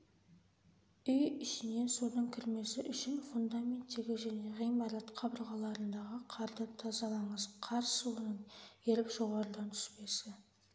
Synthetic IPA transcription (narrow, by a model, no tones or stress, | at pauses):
ʏjɪʃɪne̞sunəɴkʲʰɪɾme̞sɪʔʏʃɪnfund̪amʲe̞nt̪ːe̞ɡʲɪʒæne̞ʁijmɑɾɑt̪qʰɑbəɾʁɑlˠɑɾənd̪ɑʁəqʰɑɾd̪ət̪ʰɑzɑlˠɑɴəzqʰɑɾsəwo̞nəɴe̞ɾɪkʒ̥o̞ʁɑɾəd̪ɑnt̪ʰʏ̥ʃpe̞sɪ